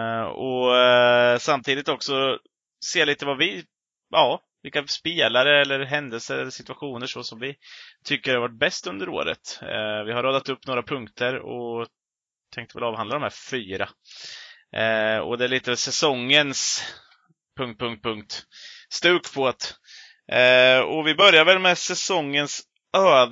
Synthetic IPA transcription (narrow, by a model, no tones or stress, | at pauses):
ɔ̰ | samt̪ʰiːd̪ɪt̪ɔksɔ | seːliːt̪əvavɪ | jɑː | vɪlkaspeːlaɾəɛlːəɾɦɛnd̪əlsəɾɛlːəʂɪt̪ʉ̥aɧuːnəʂɔsɔmvɪt̪ʰʏkːəɾaɾvaʈ̚bɛst̪ɵnd̪əɾo̰ːɾə̰t̪vɪɦhaɾoːd̪at̪ɵpːnoːɾapʰɵŋkt̪ʰəɾɔ̰ | t̪ʰɛŋkt̪əvɛ̰lɑːvhand̪ad̪ɔmhæːɾfyːɾa | ɔ̰d̪ɛæɭiːt̪əɛsɛsɔŋːəns | pʰɵŋkt̪̚pʰɵŋkt̪̚pʰɵŋk̚t̪st̪ʉ̟ːkpʰot̪ | ɔvɪbœɾjaɾvɛlmɛsɛsɔŋːəns | øː